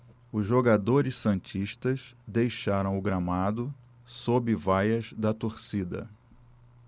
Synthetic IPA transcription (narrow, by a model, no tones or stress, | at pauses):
ʊzʒoɡad̪oɾɪssɐ̃nt͡ʃiʃt̪ɐzd̪ejʃaɾɐ̃w̃ʊɡɾamad̪ʊ | sobɪvajɐzd̪ɐt̪oɾsid̪ɐ̰